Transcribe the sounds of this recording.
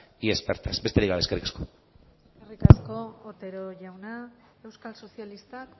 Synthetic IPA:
iespeɾt̪asbe̞st̪eikɣaleskerikḁsko̞ | sskerikasko̞ːt̪e̞ɾo̞ʝawna | e̞wskalso̞sialist̪ak

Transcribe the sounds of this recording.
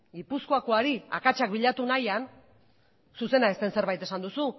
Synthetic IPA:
ɡipuskoako̞aɾia̰kat͡ʃakbiʎat̪unajan | suse̞nae̞st̪e̞nse̞ɾβajt̪e̞sand̪usu

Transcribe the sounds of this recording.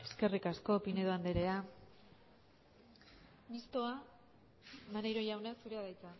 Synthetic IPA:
e̞ske̞rikasko̞pine̞ðoand̪eɾe̞a | mist̪o̞a | maneɾo̞ʝawnasuɾeaðajt͡sa

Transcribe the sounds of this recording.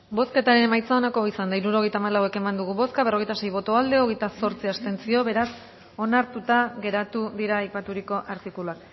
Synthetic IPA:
bo̞ske̞t̪aɾe̞nemajt͡sao̞nako̞isand̪aiɾuɾo̞ɣjt̪aːmalawe̞ke̞mand̪uɣ̞uβo̞skaβe̞ro̞ɣe̞jt̪ase̞jβo̞t̪o̞ald̪e̞o̞ɣejt̪aso̞ɾt͡siast̪e̞nt͡sio̞βe̞ɾas | o̞naɾt̪ut̪aɣe̞ɾat̪uðiɾaːjpat̪uɾiko̞ʔaɾt̪ikuluak

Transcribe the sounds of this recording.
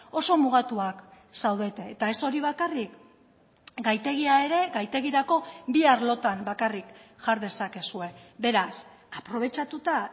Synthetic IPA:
o̞so̞muɣat̪uak | sawðe̞t̪e̞ːt̪ae̞so̞ɾiβ̞akarik | ɡajt̪e̞ɣiae̞ɾe̞ɣajt̪e̞ɣiɾako̞biaɾlo̞t̪ambakarikʝaɾðe̞sake̞sue̞be̞ɾas | apɾo̞β̞e̞t͡ʃat̪ut̪a

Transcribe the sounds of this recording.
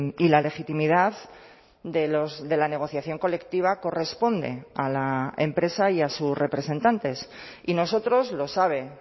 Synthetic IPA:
ilale̞xit̪imið̞að | ðelozðe̞lane̞ɣ̞o̞θjaθjo̞ŋko̞le̞kt̪iβ̞ako̞re̞spo̞nd̪e̞̰alaempɾe̞saiasusre̞pɾe̞se̞nt̪ant̪e̞s | ino̞so̞t̪ɾo̞zlo̞saβ̞e̞

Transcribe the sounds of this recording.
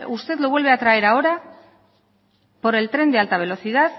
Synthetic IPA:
ust̪e̞ðloβwe̞lβe̞at̪ɾaeɾao̞ɾa | po̞ɾe̞lt̪ɾe̞nd̪ealt̪aβ̞e̞lo̞θið̞at̪

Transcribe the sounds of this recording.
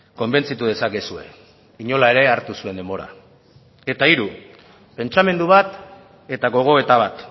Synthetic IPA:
ko̞mbe̞nt͡sit̪uðe̞sakesue̞̰ | iɲo̞lae̞ɾe̞aɾt̪usue̞nd̪emo̞ɾa̰ | e̞t̪aiɾu | pe̞nt͡ʃame̞nd̪uβat̪ | e̞t̪aɣo̞ɣ̞o̞e̞t̪aβ̞at̪

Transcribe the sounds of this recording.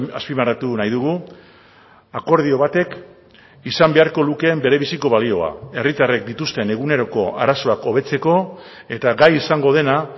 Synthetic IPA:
aspimaɾat̪unajðuɣu | ako̞ɾðio̞βat̪e̞k | isambe̞aɾko̞luke̞ːmbe̞ɾe̞β̞isiko̞βalio̞a̰e̞rit̪are̞k̚d̪it̪ust̪e̞ne̞ɣune̞ɾo̞ko̞a̰ɾaso̞ako̞βe̞t͡se̞ko̞ | e̞t̪aɡajisaŋɡo̞ð̞e̞na

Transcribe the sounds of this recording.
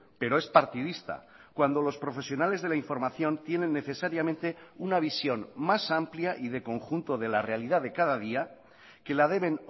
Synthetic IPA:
pe̞ɾo̞e̞spaɾt̪iðist̪a̰ | kwand̪o̞lo̞spɾo̞fe̞sjo̞nale̞zð̞e̞laiɱfo̞ɾmaθjo̞nt̪je̞ne̞nːe̞θe̞saɾjamẽnt̪eunaβ̞isjo̞nmasampljaʔið̞e̞ko̞ŋxunt̪o̞ðe̞lare̞aliðaðe̞kaðað̞ia | ke̞lað̞e̞β̞e̞n

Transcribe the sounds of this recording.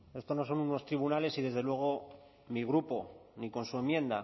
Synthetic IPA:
e̞st̪o̞no̞so̞nuno̞st̪ɾiβ̞unale̞siðe̞zðe̞lwe̞ɣ̞o̞ | miɣ̞ɾupo̞niko̞nsue̞mjẽ̞nd̪a

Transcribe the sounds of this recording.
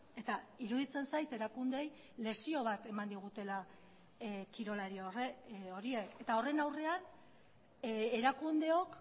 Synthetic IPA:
e̞t̪aiɾuðit͡se̞nsajt̪e̞ɾakund̪e̞j | le̞sio̞β̞at̪e̞mand̪iɣ̞ut̪e̞la | kiɾo̞laɾioreo̞ɾie̞ke̞t̪ao̞re̞nawre̞an | eɾakund̪e̞o̞k

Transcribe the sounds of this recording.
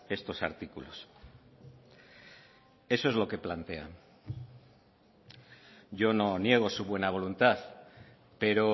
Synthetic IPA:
e̞st̪o̞sa̰ɾt̪ikulo̞̰s | e̞so̞e̞zlo̞ke̞plant̪e̞a̰n | ʝo̞no̞nje̞ɣ̞o̞suβwe̞naβ̞o̞lunt̪aθ | pe̞ɾo̞

